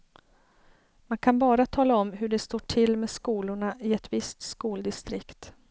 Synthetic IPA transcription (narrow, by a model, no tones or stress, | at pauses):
mankʰanbɑːɾat̪ʰɑːlaɔmɦɵɖɛst̪oːʈʰɪlːmeːskuːlʊɳaʔɪɛt̪vɪst̪skuːld̪ɪst̪ɾɪkt̪